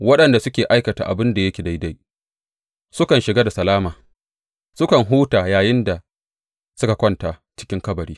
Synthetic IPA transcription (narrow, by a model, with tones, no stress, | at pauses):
wɐ˦ɗɐ˨nda˨sʊ˦kʲeː˨ʔa˦jkɐ˨ta̰ː˨ʔa˨bɪ˦nda˨jɐ˦kʲe˨da˦jda˦j | sʊ˦kɐ˨nʃɪ˨ɡaː˦da˨sɐ˨laː˦maː˨ | sʊ˦kɐ˨ŋɦuː˦taː˨jaː˨jɪ˦nda˨ | sʊ˦ka˨kʷɔ˦ntaː˨t͡ʃɪ̥˦kʲɪ˦ŋkɐ˦bɐ˨ɽiː˦